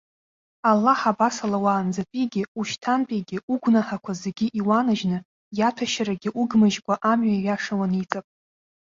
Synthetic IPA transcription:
alːaħabasalawaːnd͡zapʼiɡʲɪuʃtʰanpʼiɡʲɪuɡʷnaħakʷʰazeɡʲiʔiwanɨʒnɨ | jatʷʰaʃaɾaɡʲɪʔuɡmɨʒkʷʼaʔamɥaiɥaʂawanit͡sʼapʼ

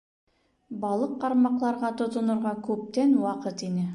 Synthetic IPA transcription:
bɑlˠɤqːɑɾmɑqlˠɑɾʁɑt̪ŏt̪ŏnŏɾʁɑkʉp̚t̪ænwɑqɤt̪inɘ

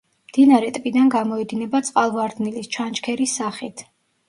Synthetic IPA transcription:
md̪̥inaɾɛt̪ʼpʼid̪anɡamɔɛd̪inɛbat̪sʼqʼalˠvaɾd̪nilist͡ʃʰant͡ʃkʰɛɾisːaχit̪ʰ

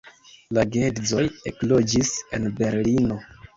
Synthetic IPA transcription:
laɡedzo̞jeklo̞d͡ʒise̞̰nbe̞ɾlino̞

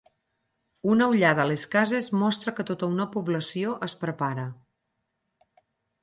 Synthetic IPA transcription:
unəuʎað̞əleskazezmɔst̪ɾəkət̪ot̪əunəpuβləsioʔəspɾəpaɾə

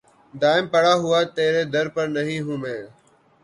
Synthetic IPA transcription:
d̪aːɪmpəɽaːɦʊaːt̪eːɾeːd̪əɾpəɾnəɦĩːɦũːmeː

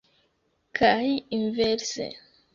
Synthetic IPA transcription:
kʰahiiɱveɾsḛ

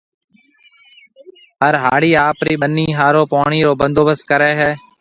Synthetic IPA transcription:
ɦəɾɦaːɽiːaːpɾiːɓənːiːɦaːɾoːpoːɳiːɾoːbənd̪oːbəskəɾɛːɦɛː

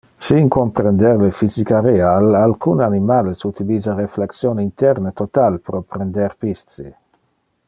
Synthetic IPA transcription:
siŋkompɾend̪eɾlefizikaɾealalkunanimalesut̪ilizaɾefleksjoːnint̪ɛɾnet̪ot̪alpɾopɾend̪eɾpist̪sḭ

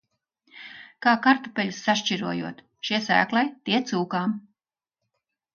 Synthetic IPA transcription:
kaːkaɾt̪upʲɛlusːaʃt͡ʃiɾuɔjṵɔt̪ | ʃiɛsæ̰ːklˠajt̪ʲiɛt̪suːkaːm

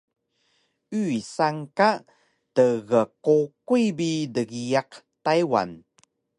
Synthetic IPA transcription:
ʔʉisaŋka | təɣəkokujbidəɡiaq | tajwa̰n

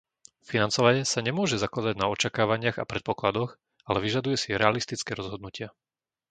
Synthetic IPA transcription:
finant͡sɔʋaɲɛsaɲɛmʊɔʒɛzaklad̪aɟnaɔt͡ʃakaːʋaɲɪaɣa̰pɾɛt̪̚pɔklad̪ɔx | alɛʋiʒad̪ujɛsiɾɛalist̪it͡skɛːɾɔzɦɔd̪nucɪa

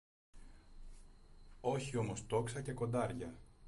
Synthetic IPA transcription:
o̞çio̞mo̞st̪o̞ksɐce̞ko̞nd̪ɐɾʝɐ

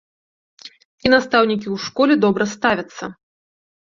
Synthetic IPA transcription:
inast̪awnʲikʲiwʂkɔlʲɛd̪ɔbɾɐst̪avʲɐt̪sːɐ

